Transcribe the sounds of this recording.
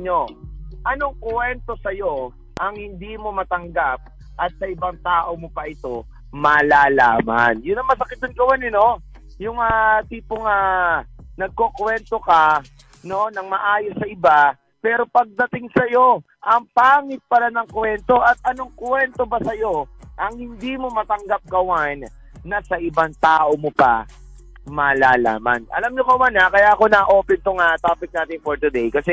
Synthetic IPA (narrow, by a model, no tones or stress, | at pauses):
ɲoʔɐnoŋkwɛnt̪o̞sɐjo̞ | ʔɐŋhɪnd̪iːmo̞mɐt̪ɐŋɡap̚ | ʔɐt̪̚sɐʔɪbɐŋt̪aːʔo̞mopɐʔɪt̪o̞ | mɐlaːla̰ːma̰njʊnːɐŋmɐsɐkɪt̪̚jʊnɡɐwanɪno̞ | jʊŋat̪iːpoŋa | nɐɡ̚kokwɛnt̪o̞kɐ | no̞nɐŋmɐʔaːjosɐʔɪba | pɛːɾo̞pɐɡ̚d̪ɐt̪ɪŋsɐjo̞ | ʔɐŋpaːŋɪt̪̚pɐlanɐŋkwɛnt̪o̞ʔɐt̪̚ʔɐno̞ŋkwɛnt̪o̞bɐsɐjo̞ʔɐŋhɪnd̪imo̞mɐt̪ɐŋɡap̚kɐwanː | ɐsɐʔɪbaŋt̪aːʔomopa̰ | mɐlaːla̰ːma̰nʔɐ̰lamɲokɐwanakɐjaɐko̞naʔo̞ːpɛnt̪oŋat̪aːpɪk̚naːt̪ɪŋfoɹt̪ud̪ejkɐsɛ